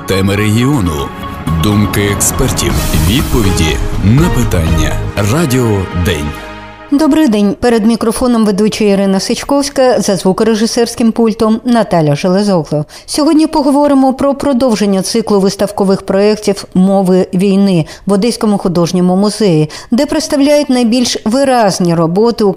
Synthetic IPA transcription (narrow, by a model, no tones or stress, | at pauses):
t̪ɛmɪɾeɦʲiɔnʊ̰ | d̪umkɪekspɛrtʲiwʋʲid̪̚pɔʋʲidʲinɐpɪt̪ɑnʲːɐ̰radʲɪɔd̪ɛ̰nʲ | d̪ɔbɾɪjd̪ɛnʲpɛɾed̪mʲikɾɔfɔnɔmʋed̪ut͡ʃɐiɾɪnɐsɪt͡ʃkɔwsʲkɐzɐzʋukɾeʒɪsɛrsʲkɪmpulʲt̪ɔmnɐt̪ɑlʲɐʒelˠezɔɣlˠɔ | sʲɔɦɔdʲnʲipɔɦɔʋɔɾɪmɔpɾɔpɾɔd̪ɔwʒenʲːɐt̪sɪklˠʊʋɪst̪ɐwkɔʋɪxpɾɔɛktʲiwmɔʋɪʋʲijnɪ | bɔd̪ɛsʲkɔmʊxʊd̪ɔʒnʲɔmʊmʊzɛjid̪ɛpɾet̪st̪ɐwlʲajʊt̚ʲnɐjbʲilʲʃʋɪɾɑzʲnʲiɾɔbɔt̪ɪ